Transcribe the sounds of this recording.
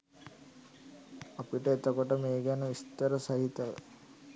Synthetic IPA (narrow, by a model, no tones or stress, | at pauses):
apiʈəet̪əkoʈəmeːɡænəʋist̪əɾəsɐɦit̪əʋ̰